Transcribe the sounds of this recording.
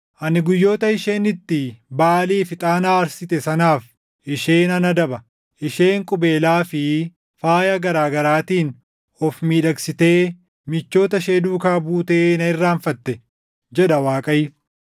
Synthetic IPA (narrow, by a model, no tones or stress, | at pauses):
ʔɐnɪɡʊjːo̞ːt̪ɐɪʃeːnɪt̪ːɪbaːliːfɪt̪ʼaːnaːɐɾsɪt̪ɛsɐnaːf | ɪʃe̞ːnɐnɐd̪ɐbɐ | ʔɪʃe̞ːŋkʼʊbe̞ːlaːfɪ | faːjɐɡɐɾaːɡɐɾaːt̪iːn | ɔfmiːᶑɐksɪt̪e̞ː | mɪt͡ʃːo̞ːt̪ɐʃe̞ːd̪uːkaːbuːt̪e̞ːnɐɪrːaːɱfɐt̪ːɛ | d͡ʒɛɗɐwaːkʼɐjɪ